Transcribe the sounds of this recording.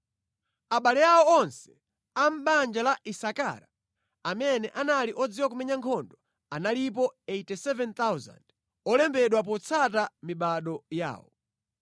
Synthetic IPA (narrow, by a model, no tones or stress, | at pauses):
aɓalɛaɔɔnsɛ̥ | am̩ɓand͡ʒalaʔisaka̰ɾa | amɛnɛʔanaliʔɔd͡ziwak̬umɛɲaŋkʰɔndɔ | analip̬ɔejtɛsɛvɛnt̪awza̰nd̥ | ɔlɛmbɛɗwap̬ɔt͡sʰatamiɓaɗɔja̰ːwɔ̰